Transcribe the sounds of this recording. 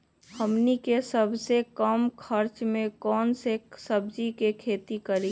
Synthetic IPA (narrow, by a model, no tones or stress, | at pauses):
həmnikesəbʱsekəmkʰəɾt͡ʃmẽkɔːnsesəbʱd͡ʒikekʰeːt̪ikəɾi